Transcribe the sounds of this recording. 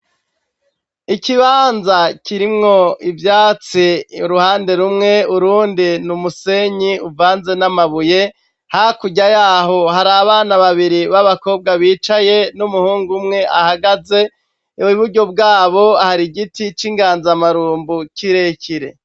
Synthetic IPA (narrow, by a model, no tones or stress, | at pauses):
iciβaːnzaciɾimŋo̞ivjaːt͡siɾuhaːnde̞ɾumŋe̞uɾuːndinumuse̞ɲiuvaːnze̞namaβuje | hakuɟajaːɦo̞haɾaβaːnaβaβiɾiβaβako̞ːb̚ɡaβiːt͡ʃaje̞numuhuːŋɡumŋe̞ʔahaɡaze̞ | iβuɾɟo̞bɡaːβo̞ahaɾiɟitit͡ʃiŋɡaːnzamaɾuːmbuciɾe̞cʰiɾe̞̰